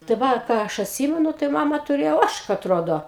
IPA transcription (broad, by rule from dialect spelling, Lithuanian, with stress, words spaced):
tɐɪ ˈʋɐ ˈkɑː ɐʃ ɐtʲˈsʲiːmʲɛnʊ tɐɪ ˈmɑːmɐ tʊˈrʲeːjoː ˈoːʃkɐ ɐtˈroːdoː